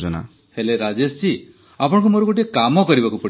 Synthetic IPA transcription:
d͡ʒɔna̰ | heleɾad͡ʒest͡ʃi | apɔɽɔ̃kumoɾuɡoʈ̬iekamɔkɔɾibakupɔɽi

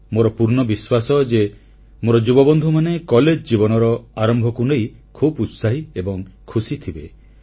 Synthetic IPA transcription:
moɾɔpuɾnɔbiswasɔd͡ʒe | moɾɔd͡ʒubɔbɔnd̪ʱumanekɔled͡ʒd͡ʒibɔnɔɾɔaɾɔmbʱɔkuneijkʰubut̪saɦiebɔŋkʰusit̪ʰibe

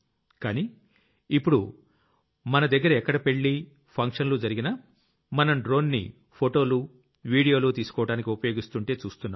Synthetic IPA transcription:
kaːniː | ipːuɽu | mɐnɐd̪ɐɡːɐɾɐɛkːɐɽɐpe̞ɭːi | pʰɐŋkʂɐnlud͡ʒɐɾiɡinɐ | mɐnɐmɖɾo̞ːnːḭ | pʰoʈo̞ːlu | ʋiːɽijo̞ːlot̪iːsu̥kɔːʋɐɽaːnikʲiupɐjo̞ːɡist̪uɳʈe̞ːt͡ʃuːst̪unːaːm

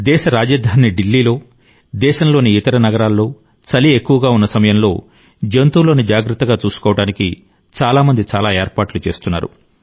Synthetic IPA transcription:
d̪ɛːʃɐɾaːd͡ʒɐːd̪ʱaːnjɐɖilːiːlo̞ː | d̪ɛːʃɐmlo̞ːniːt̪ɐɾɐnɐɡɐɾaːlːo̞ː | t͡ʃɐliekːuʋɐɡaːunːɐsɐmɐjɐmlo̞ː | d͡ʒent̪uːlo̞ːnid͡ʒaːɡɾɐt̪ːɐɡaːt͡ʃuːsu̥kɔːʋɐɽaːniki | t͡ʃaːlaːmɐnd̪it͡ʃaːlaːeːɾpaːʈlut͡ʃe̞ːst̪unːa̰ːɾṵ

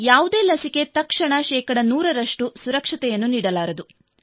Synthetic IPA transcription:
jaːʋud̪e̞ːlɐsike̞t̪ɐkʂɐɳɐʃɛːkɐɽɐnuːɾɐɾɐʂʈusuɾɐkʂɐt̪ɛjɐnːuniːɽɐlaːɾɐd̪u

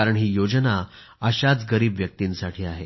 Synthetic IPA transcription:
aɾəɳɦiːjod͡ʑna | əɕat͡sɡəɾiːbʋjək̚t̪iːnsaʈʰiːaɦe

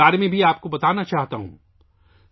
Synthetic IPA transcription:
aːɾemẽbʱiaːp̚kobɐt̪aːnat͡ʃaːɦt̪aɦṵ̃ː

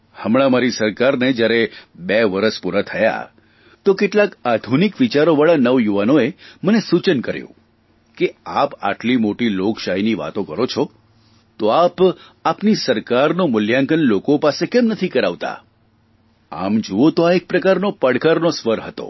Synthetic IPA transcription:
həmɭ̃amaɾisəɾkaɾned͡ʒjaɾebeʋəɾəspuɾat̪ʰəja̰ | t̪okeʈlakad̪ʱunikʋit͡ʃaɾoʋaɭanəʋjuʋanoemənesut͡ʃənkəɾjṵ̃ | keapa̰ʈlimoʈiloɡʃaɦiniʋa̰t̪okəɾot͡ʃʰɔ | t̪oapapnisəɾkaɾnomʊljãŋkənlokopasekɛmnət̪ʰikəɾaʋt̪a̰ | a̰md͡ʒuot̪oaek̚pɾəkaɾnopəɽkaɾnosʋəɾɦət̪o̰

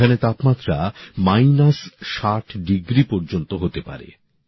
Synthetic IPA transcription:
anet̪apmat̪ːɾamajnasʃaʈʰɖiɡɾipɔɾd͡ʑont̪oɦot̪epa̰ɾḛ

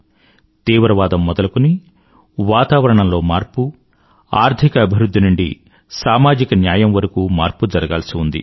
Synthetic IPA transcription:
t̪iːʋɾɐʋaːd̪ɐmːɔd̪ɐlɐkuni | ʋaːt̪aːʋɐɾɐɳɐmlo̞ːmaːɾpu | aːɾt̪ʰikɐːbʱiɾud̪ʱːinuɳɖḭ | saːmaːd͡ʒikɐnjaːjɐmʋɐɾɐkuːmaːɾpud͡ʒɐɾɐɡaːlɐsiund̪ḭ

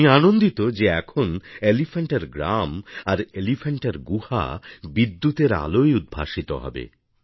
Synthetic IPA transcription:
ianond̪it̪od͡ʑeɛkʰonelifeɳʈeɾɡɾa̰maɾelifeɳʈeɾɡuha̰bid̪ːut̪eɾa̰lojud̪̚bʱa̰ʃit̪o̰ɦɔ̰bḛ

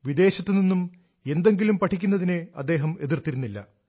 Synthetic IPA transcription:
ʋid̪e̞ːɕɐt̪ːeninːum | e̞nd̪e̞ŋɡilumpɐʈʰikʲːunːɐðineɐ̰d̪ːe̞ːɦɐme̞ðirt̪iɾunːilːɐ̰

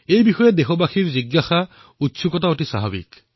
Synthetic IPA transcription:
ejbixɔjɛdexɔbaxiɹziɡːaxa | utsukɔtaotisaɦabḭk

